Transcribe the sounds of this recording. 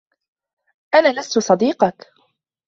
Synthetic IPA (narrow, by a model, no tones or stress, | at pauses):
ʔanaːlast̪ʊsˤɑd̪iːqɑk